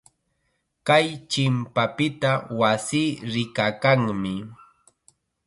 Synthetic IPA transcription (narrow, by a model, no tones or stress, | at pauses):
kajt͡ʃɪmpapɪt̪awasiːɾɪkakaŋmɪ